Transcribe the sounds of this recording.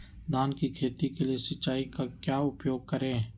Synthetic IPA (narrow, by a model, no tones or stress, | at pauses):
d̪aːnkikʰeːt̪ikeliesət͡ʃaːikakjaːʊpjoːɡ̚kəɾẽː